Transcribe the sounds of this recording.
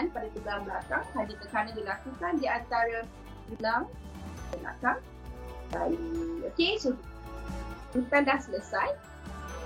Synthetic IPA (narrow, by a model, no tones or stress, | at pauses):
npadat̪uɡalblakaŋt̪adikəkanãdilakukandiant̪aɾa | bulaŋ | əbla̰kaŋ | a̰jokeso | dipɛ̃nlahsələsaj